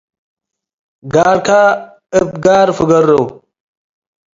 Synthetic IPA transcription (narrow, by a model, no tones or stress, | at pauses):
ɡaːɾka | əp̚ɡaːɾfɨɡɐɾːow